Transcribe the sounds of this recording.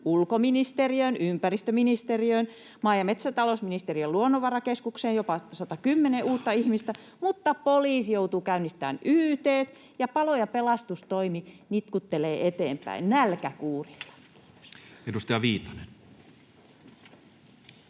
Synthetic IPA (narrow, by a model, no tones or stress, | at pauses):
ulkominist̪eriøinympærist̪øminist̪eriøin | mɑːjɑmet̪sæt̪ɑlosminist̪eriøluonːoʋɑrɑkeskukseːjjopɑsɑt̪ɑkymːeneʔuːt̪ːɑihmist̪æ | mut̪ːɑpoliːsjout̪uːkæynːist̪æ̰ːnyːt̪eːt̪ | jɑpɑlojɑpelɑst̪ust̪oiminit̪kut̪ːeleːʔet̪ḛːmpæ̰innælkækuːrilːɑ̥ | edust̪ɑjɑʋiːt̪ɑ̥nen